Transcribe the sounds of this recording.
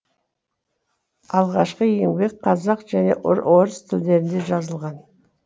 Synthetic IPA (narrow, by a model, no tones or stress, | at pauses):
ɑlˠʁɑʃqəje̞ŋbe̞k̚qʰɑzɑqʒ̥æne̞̰ʔʊ̰ɾoɾəst̪ʰɪld̪e̞ɾɪnd̪e̞ʒɑzəlˠʁɑn